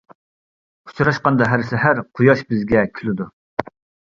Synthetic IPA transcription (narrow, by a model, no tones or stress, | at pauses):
ʊ̥t͡ʃʰuɾɑʃqɑnd̪ɑɦæɾsɛɦæɾqʰʊjɑʃbɪzɡʲɛkʲʰylɪd̪u